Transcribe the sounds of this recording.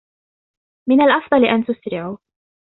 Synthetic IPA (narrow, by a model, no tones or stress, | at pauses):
mɪnalʔɑfd̪ˤɑlʔant̪ʊsɾɪʕuː